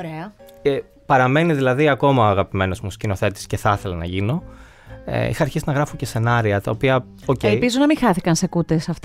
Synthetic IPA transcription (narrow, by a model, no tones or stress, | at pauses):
ɾeɐe | pɐɾɐme̞niðilɐðiɐko̞mɐɐɣɐpime̞no̞zmuscino̞θe̞t̪i̥sce̞θɐθe̞lɐnɐʝino̞̰ | ḭxɐːɾçiznɐɣɾɐfoce̞se̞nɐɾiɐt̪ɐopiɐ | ocelpizonɐmiŋxɐθikɐnsekut̪esɐft̪